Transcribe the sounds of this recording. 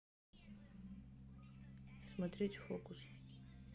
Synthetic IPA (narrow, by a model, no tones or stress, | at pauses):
smatʰretʰʲʼfokʷʼʊs